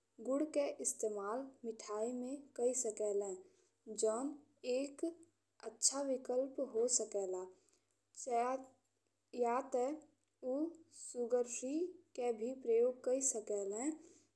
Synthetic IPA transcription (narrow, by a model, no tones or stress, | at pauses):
ɡʊɽkeʔɪst̪eːmaːlmɪʈʰaːimẽkəisəkɛlɛ̃ | d͡ʒɔːn | eːk | ətːʃʰaʋɪkəlpɦosəkɛːla | t͡ʃ | jat̪ɛ | usuɡəɾʃɾikebʱipɾəjoːɡ̚kəisəkɛlɛ̃